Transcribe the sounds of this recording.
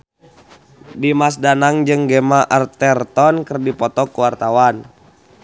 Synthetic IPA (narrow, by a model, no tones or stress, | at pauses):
dimas̬danaŋd͡ʒɨŋɡɛmaʔart̪ɛrt̪ɔnkərdipɔt̪ɔkuwart̪awan